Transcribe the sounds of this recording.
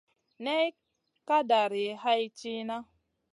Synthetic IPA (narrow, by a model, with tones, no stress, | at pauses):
ne˦i˦ | ka˦da˨ɾi˨˦ɦa˦i˦t͡ʃi˦na˦